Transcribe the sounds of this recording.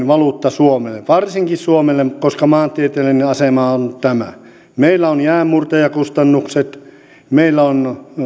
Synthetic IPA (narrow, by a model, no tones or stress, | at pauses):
ʋɑlut̪ːɑsuomelːeʋʋɑrsiŋkissuomelːemkoskɑmɑːnt̪ˑiet̪elːineɑsemɑont̪æmæ̰ | meilːˑæonjæːmːurt̪ɑjɑkust̪ɑnːukset̪ | meilːæon